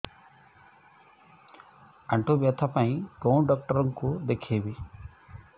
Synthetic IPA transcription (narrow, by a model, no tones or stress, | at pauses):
ɐɳʈuʋjɐt̪ʰɐpɐĩkɾowɳɖaːk̚ʈɐɾɐŋkud̪ekʰːeːʋi